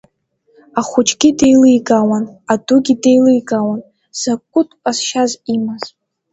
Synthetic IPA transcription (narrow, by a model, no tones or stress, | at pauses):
aχʷʊt͡ʃʼɡʲidejlɨjɡawanadʊɡʲidejlɨjɡawan | z̥akʷʼːʊtʼasʃazimaz